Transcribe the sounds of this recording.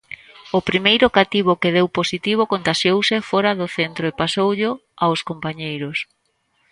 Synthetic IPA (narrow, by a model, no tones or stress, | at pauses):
ʊpɾimejɾʊkat̪iβ̞okeðewposit̪iβ̞okont̪aʃjowsɪfɔɾaðʊθent̪ɾoepasowʎʊ | awskompaɲejɾʊs